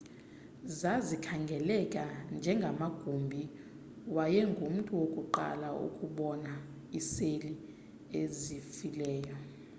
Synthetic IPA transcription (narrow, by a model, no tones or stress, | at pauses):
zazikʰaŋɡʱɛlɛkʼand͡ʒʱɛŋɡʱamaɡ̥ʱumbʱi | wajɛŋɡʱum̩tʼuwokʼuǃa̰laṵkʼuɓɔna | iseli | ezifilɛːjɔ